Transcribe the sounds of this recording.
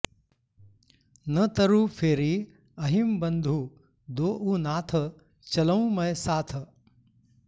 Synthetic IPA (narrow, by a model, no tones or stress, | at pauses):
nət̪əɾuːfʰeːɾiː | ɐɦimbɐ̃nd̪ʱuː | d̪oːʔuːnaːt̪ʰə | t͡ɕɐləũmɐjsaːt̪ʰ